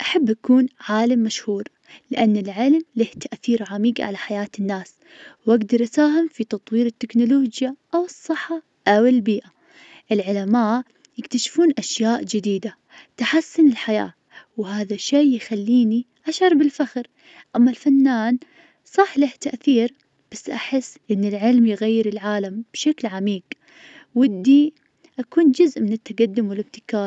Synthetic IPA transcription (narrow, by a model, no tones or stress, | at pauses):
ʔaħabːʔakuːnʕaːlamːaʃhuːɾ | lɪʔanːɪlʕɪlmlɪht̪aʔθiːɾʕamiːɡʕa̰laħajaːt̪ɪnːaːs | wʔaɡd̪ɑɾˤʔasaːɦɪmfit̪ɑt̪ˤwiːɾɪt̪ːɪknʊloːd͡ʒjaʔawɨsˤːɨħːa | ʔawɪlbiːʔa | ʔɪlʕʊlamaːʔ | jɪkt̪aʃfuːnʔaʃjaːʔd͡ʒɪd̪iːd̪a | t̪aħasːʊnɪlħaja̰ː | whaːðaʃeːjxalːiːni | ʔaʃɑɾˤbɪlfaxɾ | ʔamːalfanːaːn | sˤɑħlaht̪aʔθiːɾ | b̥asːʔaħɪsːʔɪnːɪlʕɪlmjɪɣajːɪɾɪlʕaːlamb̥ʃaklʕamiːɡ | wɪd̪ːiː | ʔakuːnd͡ʒʊzʔmɪnɪt̪ːaɡad̪ːʊmwɪlɪb̚t̪ɪ̥kaːɾ